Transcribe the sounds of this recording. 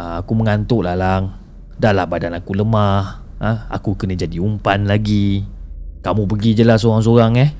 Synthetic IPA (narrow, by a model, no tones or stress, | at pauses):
akuməŋant̪ʊʔlahlaŋ | daʔlahbadanakuləmah | əa̰kukənə̃d͡ʒadiumpanlaɡi | kamũp̬əɡid͡ʒəlas̬oɣaŋs̬oɾaŋɛh